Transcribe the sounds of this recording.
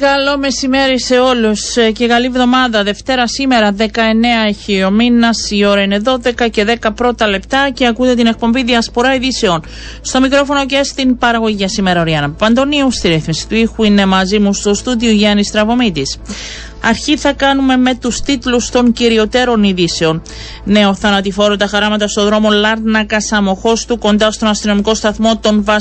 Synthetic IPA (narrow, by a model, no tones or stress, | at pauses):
kɐlome̞sime̞ɾise̞o̞lusce̞kɐlivðo̞mɐðɐðe̞ft̪e̞ɾɐsime̞ɾɐðe̞kɐe̞ne̞ɐeçio̞minɐsio̞ɾɐine̞ðo̞ðe̞kɐce̞ðe̞kɐpɾo̞t̪ɐle̞pt̪ɐce̞ɐkut̪et̪ine̞k̚po̞mbiðiɐspo̞ɾɐiðise̞o̞n | st̪o̞mikɾo̞fo̞no̞ce̞st̪impɐɾɐɣo̞ʝiʝɐsime̞ɾɐoɾiɐnɐpɐnd̪o̞niust̪iɾiθmisi̥t̪uixuine̞mɐzimust̪o̞st̪ud̪ioʝɐnist̪ɾɐvo̞mit̪is | ɐɾçiθɐkɐnume̞me̞t̪ust̪it̪lust̪o̞ɲciɾio̞t̪e̞ɾo̞niðise̞o̞n | ne̞o̞θɐnɐt̪ifo̞ɾot̪ɐxɐɾɐmɐt̪ɐst̪o̞ðɾo̞mo̞lɐɾnɐkɐsɐmo̞xo̞st̪uko̞nd̪ɐst̪o̞nɐst̪ino̞miko̞st̪ɐθmo̞t̪o̞nvɐ